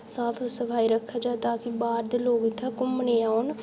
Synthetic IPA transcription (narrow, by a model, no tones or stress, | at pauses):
saːt̪ʰosəpʰaːiɾəkʰːaːd͡ʒaːt̪aːkibaːɾd̪eloːɡit̪ʰːakʊmneːan